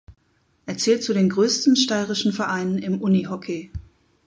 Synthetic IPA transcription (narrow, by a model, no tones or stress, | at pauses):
ʔeːɐt͡sɛːlt̚t͡sudeːnɡʁøːstn̩ʃtaɪʁɪʃn̩fɛɐʔaɪnənɪmʔʊniɦɔkʰeː